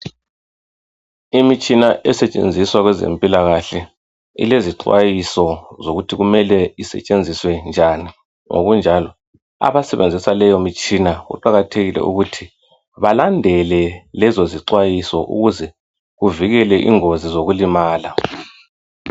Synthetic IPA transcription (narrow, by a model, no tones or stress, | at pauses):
imit͡ʃʼinaʔɛsɛt͡ʃʼḛnd͡zʱiswaɣwɛzḛmpʼilaɣaɬɛ | ḭleziǀwa̰jisɔzoɣutʰiɣumɛlɛisɛ̰t͡ʃʼend͡zʱiswɛnd͡ʒʱani | ŋʔo̰ɣund͡ʒʱalɔ | a̰βasɛβend͡zʱisalɛjomit͡ʃʼinaɣṵǃaɣatʰeɣilɛ̰ṵɣutʰi | βalandʱɛlɛlɛzoziǀwajisɔʔṵɣuzɛ | ɣuviɣɛlɛʔḭŋozizoɣulimaːla